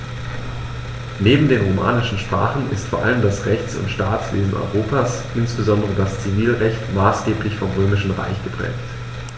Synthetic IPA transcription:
neːbm̩deːnʁoma̰ːnɪʃn̩ʃpʁ̥a̰ːχn̩ɪ̰stfoːɐʔaləmdasʁɛçt͡sʊ̰ntʃtaːt͡sv̥ḛːzn̩ʔɔ̰ʏʁoːpʰaːs | ʔɪnsb̥əzɔndəʁədast͡siviːlʁɛçtmaːsɡ̥eːplɪçfɔmʁøːmɪʃn̩ʁa̰ɪçɡ̥əpʁ̥ɛ̰ːkt

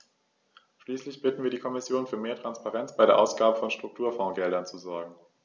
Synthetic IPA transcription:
ʃliːslɪçb̥ɪtn̩viːɐɾiːkʰɔmɪsjoːnfyːɐmeːɐtʁ̥anspaʁɛnt͡sb̥aɪɾeːɐʔa̰ʊsɡ̥aːbəfɔnʃtʁ̥ʊk̚tʰuːɐfɔ̃ːɡɛldɐnt͡suzɔɐɡŋ̩

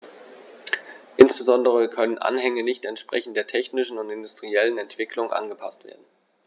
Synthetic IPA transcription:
ʔɪnsb̥əzɔndəʁ̞əkʰœnənʔa̰nɦɛŋənɪçtɛntʃpʁ̥ɛ̰çn̩t̚d̥eːɐtʰɛçnɪʃn̩ʊntɪndʊstʁ̥iɛlənɛntv̥ɪkʰlʊŋʔa̰nɡəpʰastv̥ḛːɐdn̩

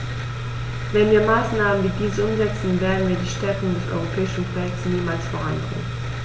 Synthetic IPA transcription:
vɛnviːɐmaːsnaːməndiːdiːzəʔʊmzɛt͡sn̩veːɐdn̩viːɐdiːʃtɛɐkʊŋdɛsʔɔ̰ʏʁ̞opʰɛːɪʃn̩kʰojɛktsniːmaːlsfoːʁ̞a̰nɡɪ̰ːən

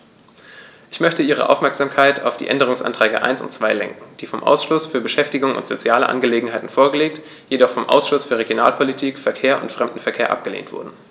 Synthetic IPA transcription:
ʔɪçmœçtəʔiːʁə̰ʔa̰ʊfmɛɐkz̥aːmkʰaɪtʰa̰ʊfd̥ḭːʔɛndəʁ̞ʊŋsʔa̰ntʁ̥ɛːɡə̰ʔa̰ɪnsʊ̰ntt͡sv̥aɪlɛ̰ŋkŋ̩d̥iːfɔmʔa̰ʊsʃlʊsfyːɐbəʃɛftɪɡʊŋʊ̰ntz̥ot͡sjaːlə̰ʔa̰nɡəleːɡŋ̩ɦaɪtn̩foːɐɡəleːk̚t | jedɔχfɔmʔa̰ʊsʃʊsfyːɐʁeɡjona̰ːlpʰolitʰiːkfɛɐkʰeːɐʔʊ̰ntfʁ̥ɛmdn̩fɛɐkʰeːɐʔa̰p̚ɡ̥əlḛːntv̥ʊ̰ɐdn̩

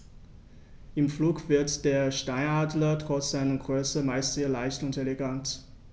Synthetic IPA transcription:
ʔɪmfluːkv̥ɪɐtd̥eːɐʃtaɪnaːdlɐtʁ̥ɔt͡sz̥aɪnənɡʁøːsəmaɪstz̥eːɐlaɪçtʊnteleɡant

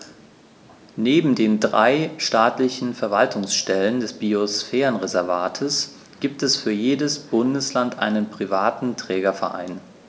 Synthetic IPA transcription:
neːbm̩deːndʁa̰ɪʃtaːtlɪçn̩fɛɐvaltʰʊŋsʃtɛləndɛsb̥iosfɛːʁənʁɛzɛɐvaːtʰəs | ɡ̥iːp̚tɛsfyːɐjeːdəsb̥ʊndəslantʔa̰ɪnənpʁ̥ivaːtn̩tʁ̥ɛːɡɐfɛɐʔa̰ɪn

